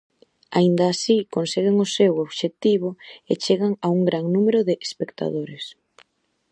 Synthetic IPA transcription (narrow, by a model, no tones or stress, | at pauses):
a̰ind̪aːsikonseɣeŋosewoβʃet̪iβoʊet͡ʃeɣaŋauŋɡɾaŋnumeɾʊðeʔespekt̪a̰ðoɾes